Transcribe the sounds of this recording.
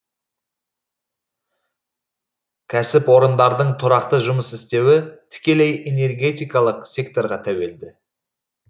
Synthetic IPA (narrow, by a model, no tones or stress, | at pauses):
kʲʰæsɪpwo̞ɾənd̪ɑɾd̪əɴt̪ʰʊɾɑqt̪əʒʊməsɪst̪e̞wɪt̪ʰɪ̥kʲe̞le̞jʔene̞rɡʲe̞t̪ijkɑlˠəqsʲe̞kt̪o̞ɾʁɑt̪ʰæwe̞ld̪ɪ